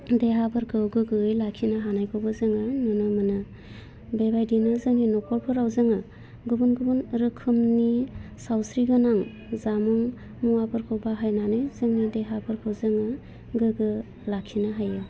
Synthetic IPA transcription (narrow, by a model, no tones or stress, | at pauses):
deɦabɯɾkʰɯwɡɯɡɯɯjlakʰinaɦanajkʰɯwbazɯŋɯnɯnɯmɯnɯ | bebajdinɯzɯŋninɔkʰɔɾpʰɯɾawzɯŋɯ | ɡubunɡubunɾɯkʰɯmnisawsɾiɡɯnaŋ | zamuŋ | muwapʰɯɾkʰɯwbaɦajnanɯjzɯŋnideɦabɯɾkʰɯwzɯŋɯ | ɡɯɡɯ | lakʰinaɦajɯ